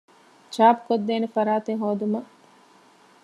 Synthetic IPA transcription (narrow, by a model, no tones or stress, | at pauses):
t͡ʃaːpu̥kod̪ːeːnefɐɾaːt̪eŋɦoːd̪umɐ